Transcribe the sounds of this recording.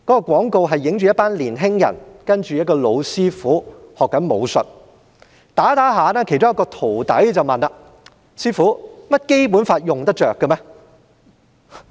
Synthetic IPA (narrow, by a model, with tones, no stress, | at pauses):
kɔː˨˥kɔː˧kʷɔː˨˥ŋko˧wɦɐ˨jːɪ˨˥ŋt͡ʃy˨jɐ˥t̚paː˥nliː˨˩nɦɪ˥ŋjɐ̰˨˩nkɐ˥nt͡ʃyː˨jɐ˥t̚kɔː˧lo˨˧wsiː˥fuː˨˥hɔː˨kːɐ˨˥nmo˨˧wsɵ˨t̚ | t̪aː˨˥t̪aː˨˥ɦaː˨˧nɛː˥kʰe˨˩jt͡sʊ˥ŋjɐ˥kɔː˧t̪ʰo˨˩wt̪ɐ̰˨˥jt͡sɐ˨wmɐ˨˩naː˧ | siː˥fuː˨˥mɐ˥t̚ke˥jp̬uː˨˥nfaː˧t̚jʊ˨˩ŋt̪ɐ˥t͡ʃœː˨kːə˧mɛː˧˥